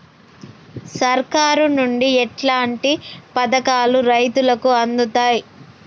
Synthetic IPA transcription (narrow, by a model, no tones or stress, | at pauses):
sɐɾkaːɾunuɳɖiɛʈlaːɳʈipɐd̪ɐkaːluɾɐjt̪ulɐkuɐnd̪ut̪aːji